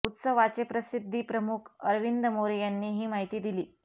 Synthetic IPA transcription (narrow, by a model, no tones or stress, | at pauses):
ut̪səʋat͡ɕepɾəsid̪ʱːiːpɾəmukʰəɾʋind̪əmoɾijanːiːɦiːmaɦit̪iːd̪iliː